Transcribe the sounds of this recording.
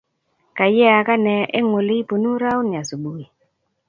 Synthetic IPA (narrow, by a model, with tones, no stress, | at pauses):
ka˨jɛ˦a˨ka˦nɛ˨ʔe˦ŋwo˨le˦i˦po˨nu˦ɾa˦wn˨a˨so˨ɓu˨i˨